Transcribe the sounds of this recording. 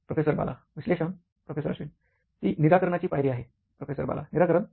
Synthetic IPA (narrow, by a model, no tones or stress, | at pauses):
pɾofesəɾba̰la̰ʋiɕleɕən | pɾofesəɾaɕʋiːn | t̪iːniɾakəɾɳ̃at͡ɕiːpajɾiːaɦe | pɾofesəɾba̰la̰niɾakəɾəɳ